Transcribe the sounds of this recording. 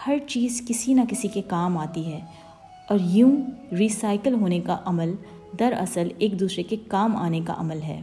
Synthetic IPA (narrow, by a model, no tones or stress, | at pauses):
hɐɾt͡ʃiːzkɪsinɐkɪsikekaːmaːt̪iɦɛː | ɔːɾjũːɾiːsaːɪkəlɦoːnekaʔɐməl | d̪ɐɾɐ̰səleːk̚d̪uːsɾekekaːma̰ːneka̰ʔɐ̰məlɦɛ̰ː